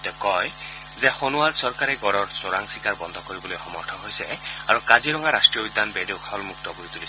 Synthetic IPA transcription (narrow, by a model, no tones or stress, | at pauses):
t̪ɛkɔj | zɛxonuaɹsɔɹkaɾɛɡɔɹɔɹsoɹaŋsikaɹbɔnd̪ʱɔkoɹibɔlojxɔmɔɹʈʰɔɦojsɛaɹukaziɾɔŋaɾasʈɹijɔbid̪ʱanbeɖekʰɔlmuk̚t̪ɔkoit̪ulisɛ